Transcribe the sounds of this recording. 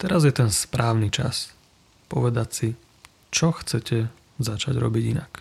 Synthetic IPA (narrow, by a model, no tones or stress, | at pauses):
t̪ɛɾazjɛt̪ɛnspɾaːʊnit͡ʃa̰s | pɔ̰ʋɛd̪acsi | t͡ʃɔxt͡sɛcʰɛ | zat͡ʃaɟɾɔ̰biɟinak